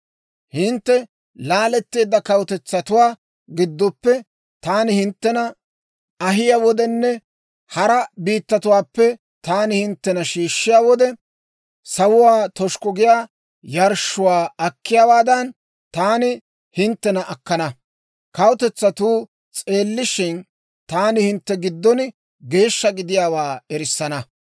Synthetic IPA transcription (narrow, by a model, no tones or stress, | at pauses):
hɪnt̪ːɛ | laːlɛt̪ːe̞ːd̪ːɐkɐwʊt̪ɛt͡sːɐt̪ʊwaː | ɡɪd̪ːɔpːɛ | t̪aːnɪhɪnt̪ːɛnɐ | ɐɦɪjaːwɔd̪ɛnːɛ | hɐɾɐbiːt̪ːɐt̪ʊwaːpːɛ | t̪aːnɪhɪnt̪ːɛnɐʃiːʃːɪjaːwɔd̪ɛ | sɐwʊwaːt̪ɔʃkɔɡɪjaː | jɐɾʃʊwaːɐkːɪjaːwaːd̪ɐn | t̪aːnɪ | hɪnt̪ːɛnɐʔɐkːɐnɐ | kɐwt̪ɛt͡sːɐt̪uː | t͡sʼe̞ːlːɪʃɪn | t̪aːnɪhɪnt̪ːɛɡɪd̪ːɔnɪ | ɡe̞ːʃːɐɡɪd̪ɪjaːwaːɛɾɪsːɐnɐ